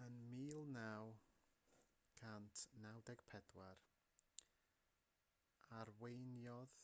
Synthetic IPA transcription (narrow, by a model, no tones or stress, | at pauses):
ənmiːlˠnaw | ɡ̥ʰantʰnawdɛɡ̥pʰɛdwar | arwejnjɔð